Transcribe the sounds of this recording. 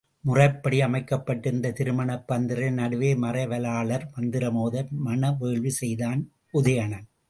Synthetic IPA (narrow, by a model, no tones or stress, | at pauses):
mʊrɐɪpːɐɽiɐmɐɪkːɐpːɐʈːɯnd̪ɐt̪ɪɾɯmɐɳɐpːɐnd̪ɪɾɐnɐɽɯʋeːmɐrɐɪʋɐlaːɭɐɾʋɐnd̪ɪɾɐmoːðɐmɐnɐʋeːɭʋisɛjðaːn | ʊðɐjɐɳɐn